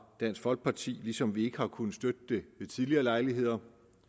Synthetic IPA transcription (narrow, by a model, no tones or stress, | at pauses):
d̥æn̰sfɒ̽lɡ̥̚pʰɑ̈t͡sʰḭːlisɒ̽mʋie̝ɡ̥əhɑ̈kʰunð̩sd̥ød̥̚əd̥e̝ʋe̝t͡sʰiðˠliɐːlɑ̈ɪliɦe̝ð̰ˠɐ